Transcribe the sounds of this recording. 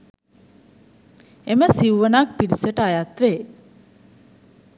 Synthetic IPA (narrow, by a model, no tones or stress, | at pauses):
eməsiuʋənak̚piɾisəʈəajat̪ʋe